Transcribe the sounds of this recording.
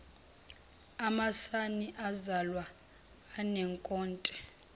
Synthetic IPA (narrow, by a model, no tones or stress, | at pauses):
amasaniʔazalwaː | nɛŋkʼɔːntʼɛ